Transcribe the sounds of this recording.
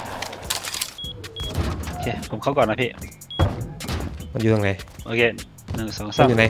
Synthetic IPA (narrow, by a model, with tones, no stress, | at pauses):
ʔo˧kʰeː˧˨pʰo˩˦mkʰa˧˥˦kɔː˨˩na˧˥pʰiː˧˥˩ʔ | ma˧njuː˧˩ja˨˧ŋa˨˦jʔoː˧kʰeː˧˩ | nɯ˨˩ŋsɔː˨˦ŋsa˥˧˥ŋa˧˦j